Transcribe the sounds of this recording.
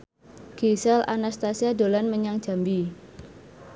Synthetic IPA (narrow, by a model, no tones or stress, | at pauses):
ɡ̥esɛlʔa̰nast̪asiado̤lanməɲaŋd̥ʒ̥a̤mbi